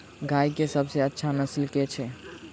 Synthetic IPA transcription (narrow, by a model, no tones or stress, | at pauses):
ɡʱaikesəbseətːʃʰanəslket͡ʃʰɛ